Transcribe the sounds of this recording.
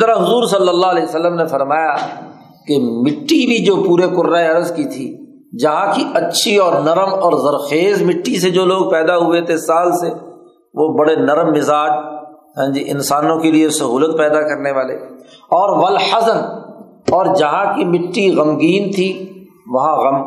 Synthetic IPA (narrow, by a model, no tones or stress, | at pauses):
t̪əɾaɦʊzuːɾsɐlːəlːaɦlɛːjsɐlːəmnefɐɾmaːja | kemɪʈːibʱid͡ʒoːpuːɾekʊɾːaeɐɾəzkit̪ʰi | d͡ʒɐɦãkiɐtːʃʰiɔːɾnɐɾəmɔːɾzɐɾxeːzmɪʈːised͡ʒoːloːɡ̚pɛːd̪aɦʊet̪ʰesaːlse | ʋobɐɽenɐɾmːɪzaːd͡ʒ | ɦɛ̃ːd͡ʒiʔɪ̰̃nsaːnõkeliesɐɦuːlət̪̚pɛːd̪akɐɾneʋaːlḛːɔːɾʋɐlħɐsən | ɔːɾd͡ʒɐɦãkimɪʈːiɣɐmɡiːnt̪ʰi | ʋɐɦãɣɐ̃m